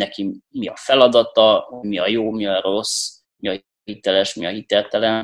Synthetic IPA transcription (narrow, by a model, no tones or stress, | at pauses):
nɛkimiɒfɛlɒd̪ɒt̪ɒmiɒjoːmiɒɾo̞s | miɒ | hit̪ɛlɛʃmiɒɦit̪ɛrt̪ɛlɛn